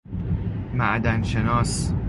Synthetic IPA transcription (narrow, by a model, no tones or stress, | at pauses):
mæʔd̪ænʃenɒːs